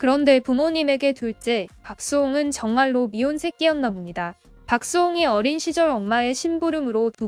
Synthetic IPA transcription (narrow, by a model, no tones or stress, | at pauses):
kɯɾʌnde̞pumoɲime̞ɡe̞tuɭt͡ɕ͈epak̚s͈oŋɯnt͡ɕʌŋmaɭːomionsʰe̞k͈iʌnːamimɲida | pak̚s͈oŋeʌɾinɕʰid͡ʑʌɾʌŋmae̞ɕʰimbuɾɯmɯɾotu